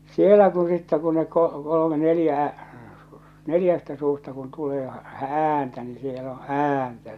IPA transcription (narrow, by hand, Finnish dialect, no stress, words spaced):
sielæ ku sitːæ ku ne ko kolome nelĭjæ neljæstæ suːstɑ kun tuleː æːntæ ni siel o æːntæ